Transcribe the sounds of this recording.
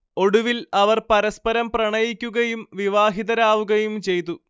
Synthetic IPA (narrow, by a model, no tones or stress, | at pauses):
o̞ɽuʋilɐʋɐrpɐɾɐspɐɾɐmprɐɳɐjikʲːuɣɐjumʋiʋaːɦiðɐɾaːʋuɣɐjumt͡ɕe̞jt̪̬ːu